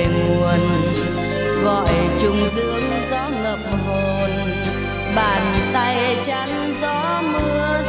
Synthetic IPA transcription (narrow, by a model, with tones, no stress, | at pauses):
ŋu˨˩ən | ɣɔ̰˧˨jt͡ɕʊ˧ŋ͡mzɨ˨˦əŋ | zɔ˨˦ŋə˨˩p̚ɦo˨˩n | ɓaː˨˩nt̪a˧jt͡ɕa˨˦ŋ | zɔ˨˦ | mɨ˧ə